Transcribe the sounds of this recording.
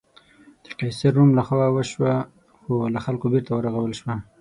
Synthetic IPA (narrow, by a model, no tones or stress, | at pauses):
d̪̥ə̥qɑjsɪɾːumlaxwaawəʃwa | xolaxalkobeɾt̪awəɾaɣawəlʃwa